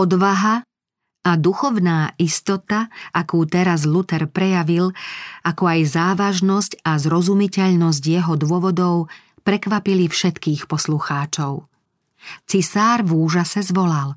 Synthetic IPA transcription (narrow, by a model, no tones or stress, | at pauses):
ɔd̪ʋaɦa | ad̪uxɔʊnaːʔist̪ɔt̪aʔakuːt̪ɛɾazlut̪ɛɾpɾɛjaʋilakɔajzaːʋaʒnɔscazɾɔzumicɛʎnɔz̬ɟjɛɦɔd̪ʊɔʋɔd̪ɔʊ | pɾɛkʋapilifʃɛt̪kiːxpɔsluxaːt͡ʃɔʊ | t͡sisaːɾvuːʒasɛzʋɔlal